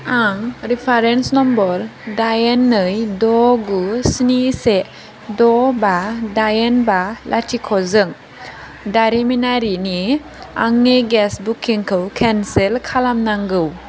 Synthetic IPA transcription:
aŋɾipʰaɾensnɔmbɔɾdajenːɯjdɔɡusnise | dɔbadajenbalʔa̰tʰikʰɔzɯŋ | daɾiminaɾini | a̰ŋneɡɛsbukʰiŋkʰɯwkʰɛnselkʰalamnaŋɡɯw

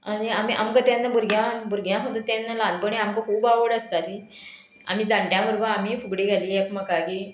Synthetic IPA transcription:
aniamiʔa̰mkət̪anːabuɾɡʱjãbuɾɡʱjãsmət̪ut̪anːalãnd̪pəɳeamkəkʰuːbaʋəɽəst̪aliː | a̰m̤iːd͡zaɳʈjãbəɾɡəamiːfuɡɽiːɡʱaliːekməkakiː

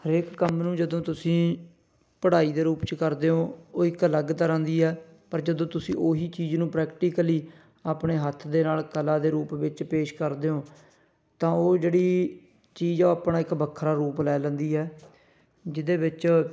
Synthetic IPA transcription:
həɾeːkkəmnũːd͡ʒəd̪õːt̪ʊsĩː | pəɽaːiːd̪eːɾuːpt͡ʃkəɾd̪eːoːoːɪkələɡt̪əɾə̃ːnd̪iːɦɛː | pəɾd͡ʒəd̪õːt̪ʊsĩːʔoːɦiːt͡ʃiːd͡ʒnũːpɾɛːkʈiːkəliː | aːpɳeːɦət̪ʰːd̪eːnaːlkəlaːd̪eːɾuːpʋɪt͡ʃpeːʃkəɾd̪eːoː | t̪ãːoːd͡ʒeːɽiː | t͡ʃiːd͡ʒoːaːpɳaːɪkbəkʰːɾaːɾuːplɛːlə̃nd̪iːɦɛː | d͡ʒɪd̪eːbɪt͡ʃ

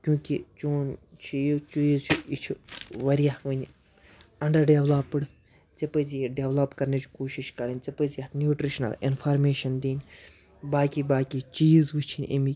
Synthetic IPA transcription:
kjũːkit͡ʃuːnt͡ʃʰijt͡ʃujzt͡ʃʰiit͡ʃʰuʋɐɾijaʋɐnʲ | ɐɳɖɐɾɖeʋlaːpɨɽ | t͡sɐpəziɖeʋlɐpkɐɾnet͡ʃʰkoːʃiʃkɐɾɐnʲt͡sɐpɨzianjuːʈɾiʃnɐ̰lḭnfʰaːɾmeːʃɐnd̪iːnʲ | baːkibaːkʲit͡ʃiːzʋit͡ʃʰinʲʔḭmi

